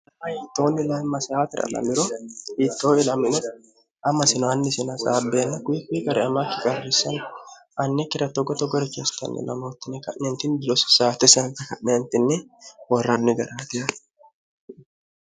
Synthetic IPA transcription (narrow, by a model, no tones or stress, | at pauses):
ɐhit̪ːoːnːɪlɐmːɐsaːt̪ɪɾɐ̰lɐ̰mɪɾɔhiːt̪ːoːɪlɐmɪnɛ | ʔɐmːɐsɪnɔɐnːɪsɪnɐsʼaːbeːnːɐkʊɪkʊiɡɐɾɛɐmaːkːɪkʼɐrːɪsɐn | ʔɐnːɛkɪɾɐt̪ːɔɡɔt̪ɔɡɐɾʊkeːst̪ɐ̰nːʔɛ̰lɐ̰mo̞ːt̪ːɪnːɛkɐnːent̪ɪnb̪ɪlɔsʊ̥saːt̪ːɛsɪɐnt̪ːɐkɐʔnɛnt̪ɪnːɛwɔrːanːɪɡɐɾaːt̪ɪɐ